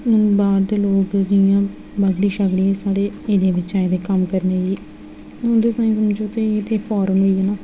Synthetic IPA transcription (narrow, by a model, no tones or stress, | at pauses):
ʊnbaːɾd̪eːloːkd͡ʒɪjãː | bəɡɽiːʃəɡɽiːesaːɽeːeːɾ̃ːʋɪt͡ʃãẽd̪eːkəmkəɾneːɡiː | ʊnd̪eːt̪ãːĩːsəmd͡ʒot̪eet̪ʰeːpʰaːɾənɦoːiːɦɛnaː